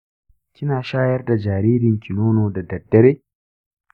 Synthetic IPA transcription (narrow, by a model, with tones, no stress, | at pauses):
kʲɪ˦naː˨ʃaː˦jɐ˦rda˨d͡ʒaː˨ɾiː˦dɪ˨ŋkʰʲɪ˨noː˦noː˨da˨dɐ˨dːɐ˦ɾeː˦